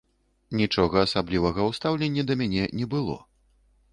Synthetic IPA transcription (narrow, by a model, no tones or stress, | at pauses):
nʲit͡ʂɔɣɐːsablʲivɐɣɐwst̪awlʲenʲːɐd̪ɐmʲanʲɛnʲɛbɨlˠɔ̰